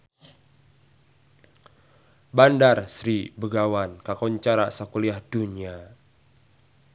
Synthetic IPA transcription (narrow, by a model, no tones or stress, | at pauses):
bandarsɾibəɡawankakɔɲt͡ʃaɾa̰sakuliahd̥unia